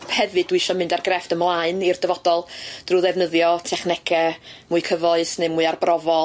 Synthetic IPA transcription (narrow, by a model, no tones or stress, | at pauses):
hɛvɨdwiʃɔmɨndarɡrɛftəmlˠaɨnird̥əvɔdɔlˠd̥ruːðɛvnəðjɔtʰɛχnɛkʰɛmuːɨkʰəvɔɨsnemuːɨarbrɔvɔ